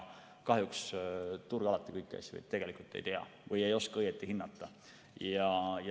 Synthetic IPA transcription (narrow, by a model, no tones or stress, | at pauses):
kɑɦjukst̪urɡ̥ɑlɑt̪ːˑikɤjkːɑ̰sʲːɑ̰vɯ̰jt̪t̪ːe̞ɡ̥e̞likult̪ːˑe̞̰jt̪eɑ̰vɯje̞jo̞skɑɤjet̪ːˑihinːɑt̪ːˑɑ | jɑj